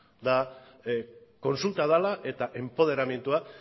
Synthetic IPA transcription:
d̪a | ko̞nsult̪aðalaʔe̞t̪aʔe̞mpo̞ðe̞ɾamje̞nt̪ua

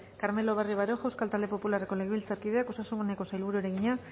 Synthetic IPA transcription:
kaɾme̞lo̞βeriβ̞aɾoxawskalt̪ald̪e̞po̞pulareko̞le̞ɣeβilt͡saɾkið̞e̞ako̞sasuŋɡoneko̞sajlβuɾueɾe̞ɣiɲa

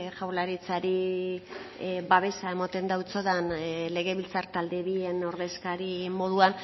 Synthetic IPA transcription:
ʝawlaɾit͡saɾi | baβ̞e̞sae̞mat̪e̞nd̪awt͡so̞ðanle̞ɣe̞βilt͡saɾt̪ald̪e̞βie̞no̞ɾðe̞skaɾimo̞ðuan

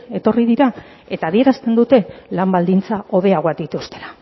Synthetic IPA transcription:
e̞t̪o̞rið̞iɾa | e̞t̪aːðie̞ɾast̪e̞nd̪ut̪e̞lambald̪int͡saʔo̞ðe̞aɣoak̚d̪it̪ust̪e̞̥lḁ

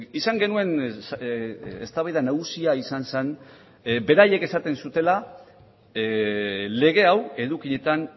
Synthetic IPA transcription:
isaŋɡe̞nue̞n | est̪aβajðanaɣusiaisansen | be̞ɾaje̞ke̞sat̪e̞nsut̪e̞la | le̞ɣ̞e̞awe̞ðukiɲe̞t̪an

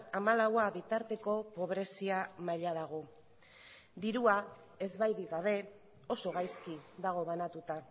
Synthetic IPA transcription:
amalawaβit̪aɾt̪e̞ko̞po̞β̞ɾe̞siamaʎað̞aɣ̞o̞ | d̪iɾua | e̞zβajðiɣaβ̞e̞ | o̞so̞ɣ̞ajskiðaɣ̞o̞βanat̪ut̪a

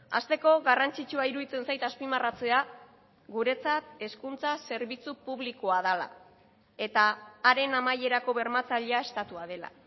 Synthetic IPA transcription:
a̰st̪e̞ko̞ɣarant͡sit͡ʃuaiɾuðit͡se̞nsajt̪aspimarat͡se̞a | ɡuɾe̞t͡sat̪e̞skunt͡sase̞ɾβit͡supuβlikoaðala̰ | e̞t̪aːɾe̞namaje̞ɾako̞βe̞ɾmat͡saʎeae̞st̪at̪uað̞e̞la̰

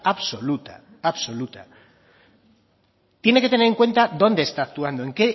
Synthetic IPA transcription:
aβso̞lut̪a̰ | aβso̞lut̪a | t̪je̞ne̞ke̞t̪e̞neɾeŋkwe̞nt̪aðo̞nd̪eːst̪aːk̚t̪uand̪o̞e̞ŋke̞

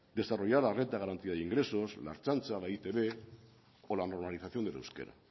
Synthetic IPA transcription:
d̪e̞saro̞ʝaɾlarent̪aɣaɾant̪iaðiŋɡɾe̞so̞sla̰ɾt͡ʃant͡salait̪eβe | olano̞ɾmaliθaθjond̪eḛwskḛɾa̰

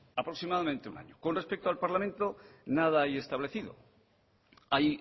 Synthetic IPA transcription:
apɾo̞ksimaðamẽnt̪euna̰ɲokonrespek̚t̪oalpaɾlamẽnt̪onaðaaje̞st̪aβle̞θiðo̰ | aj

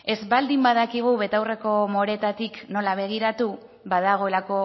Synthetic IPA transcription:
e̞zβald̪imbaðakiɣ̞uβe̞t̪awre̞ko̞mo̞ɾet̪at̪ikno̞laβ̞e̞ɣ̞iɾat̪u | βaðaɣ̞o̞e̞lako̞

